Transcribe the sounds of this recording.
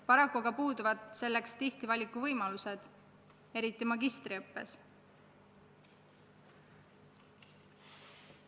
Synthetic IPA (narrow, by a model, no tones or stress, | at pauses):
pɑɾɑkːˑuɑɡɑpuːd̪uvɑd̪̥se̞lːe̞kst̪iht̪ivɑlʲikːˑuvɤjmɑluse̞d̪̥ | e̞ɾit̪ːˑimɑɡist̪riɤpːe̞̰s